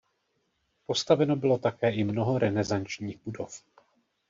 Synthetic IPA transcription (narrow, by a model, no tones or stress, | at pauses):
po̞st̪avɛno̞bɪlo̞t̪akɛːʔɪmno̞ɦo̞ɾɛnɛzant͡ʃɲiːɣbudo̞̰f